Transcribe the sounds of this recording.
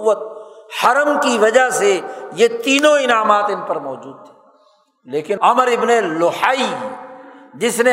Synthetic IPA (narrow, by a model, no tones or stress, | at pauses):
ʋːət̪̚hɐɾəmkiʋɐd͡ʒaɦsejet̪iːnõɪnaːmaːt̪ɪnpɐɾmɔːd͡ʒuːd̪̚t̪ʰɛ̥ː | leːkɪnɐməɾɪbnelʊhaːiɦɛːd͡ʒɪsne